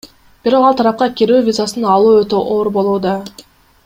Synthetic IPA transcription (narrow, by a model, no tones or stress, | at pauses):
b̥iɾo̞qɑlˠt̪ʰɑɾɑp̚qɑkʲeɾyːvʲizasɯnɑlˠuːøt̪øʔoɾbo̞lˠuːd̪ɑ